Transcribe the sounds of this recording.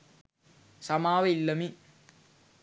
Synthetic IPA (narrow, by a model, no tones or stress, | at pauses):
sɐmaːʋɐilːɐmi